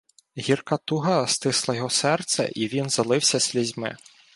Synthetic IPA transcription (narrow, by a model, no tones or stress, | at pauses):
ɣʲirkɐt̪uɦɐst̪ɪslˠɐjɔɦɔsɛrt̪sɛ̰ʔiʋʲinzɐlˠɪwsʲɐsʲlʲizʲmɪ̰